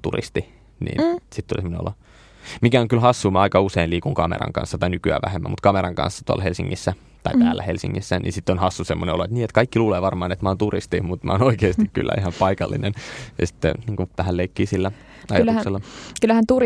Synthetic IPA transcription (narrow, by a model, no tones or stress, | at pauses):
t̪ṵrḭst̪i | nḭːsit̪t̪ːulisemːoneo̰lo | mikæoŋkylhɑsːuːmɑɑikɑuseinliːkuŋkɑmḛɾɑ̰ŋkɑ̰nsːɑt̪ɑinykyæ̰ʋæ̰hemːæ̰mut̪kɑmeɾɑŋkɑ̰̃nsːɑ̥t̪uɑ̰lhelsiŋːisːæ | t̪ɑipæːlːæhelsḭŋːisːænʔḭnsit̪ːonhɑsːusemːoneoloet̪niːet̪kɑikːiluːleːʋɑrmɑːnet̪mæoːnt̪urist̪imut̪mæ̰onoikeːst̪ikky̰lːæ̰ihɑmpɑikɑlːinenjɑ̰si̥t̪ːḛniːŋkuʋæhælleikːiːsilːæ | ɑjɑlːukselːɑkylːæhænt̪ur